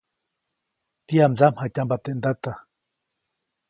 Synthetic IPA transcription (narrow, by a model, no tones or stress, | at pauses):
t̪iamzamhacambat̪end̪at̪a